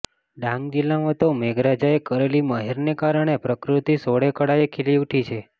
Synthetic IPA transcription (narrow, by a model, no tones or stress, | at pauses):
ɖãŋɡd͡ʒilːamãt̪omeɡɾad͡ʒaekəɾeliməɦeɾnekaɾəɳ̃epɾəkɾut̪isoɽekəɽaekʰiliwʈʰit͡ʃʰe